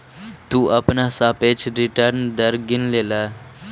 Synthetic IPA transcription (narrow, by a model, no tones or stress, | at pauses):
t̪uʔəpnasapet͡ʃɾiʈəɾnd̪əɾɡinlela